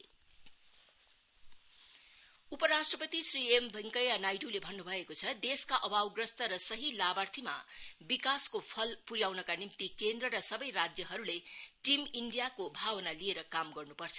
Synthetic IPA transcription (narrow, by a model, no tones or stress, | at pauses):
upʌɾasʈrʌpʌt̪isriembʱʌŋkʌjanajɖulebʱʌnːubʱʌekot͡sʰʌd̪eskaʔʌbawɡrʌst̪ʌɾʌsʌɦilabart̪ʰima̰bikaskopʰʌlpuɾjawnʌkanimt̪ikend̪rʌɾʌsʌbʌjrad͡zjʌɦʌɾuleʈimiɳɖijakobʱawʌnalieɾʌkamɡʌrnupʌrt͡sʰʌ